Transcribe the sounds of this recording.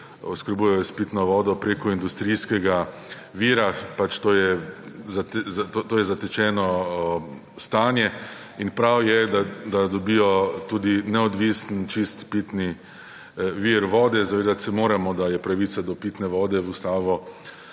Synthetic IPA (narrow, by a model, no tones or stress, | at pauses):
ɔskəɾbuːjɛjɔspit̪nɔʋɔːd̪ɔpɾeːkɔind̪ust̪ɾiskɛɡa | ʋiːɾapat͡ʃt̪oːjɛzat̪zat̪ot̪oːjɛzat̪ɛt͡ʃɛːnɔ | st̪aːnjɛ | inpɾawjɛd̪ad̪ad̪ɔbijɔt̪uːd̪inɛɔd̪ʋisnt͡ʃist̪pit̪ni | ʋiɾʋɔːd̪ɛzaʋeːd̪at̪sɛmoːɾamɔd̪ajɛpɾaʋiːt̪sad̪ɔpit̪nɛʋɔːd̪ɛust̪aːʋɔ